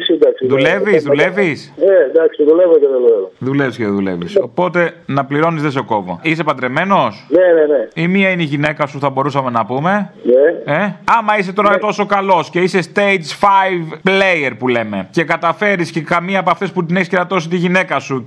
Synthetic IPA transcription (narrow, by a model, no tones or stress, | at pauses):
sid̪ɐksiðuleviszðule̞visned̪ɐksiðulevoceðeðulevoðule̞visceðeðule̞̰vḭso̞po̞t̪e̞nɐpliɾo̞nizðeseoko̞vo̰ise̞pɐnd̪ɾe̞me̞no̞sneneneimiɐineiʝine̞kɐsuθɐbo̞ɾusɐme̞nɐpume̞neeɐmɐis̬e̞t̪o̞ɾɐt̪o̞so̞kɐlo̞sce̞ise̞st̪ejt͡sfɐjvplejeɾpule̞me̞ce̞kɐt̪ɐfe̞ɾisce̞kɐmiɐpɐft̪e̞sput̪ineçiscenɐt̪o̞set̪iʝine̞kɐsu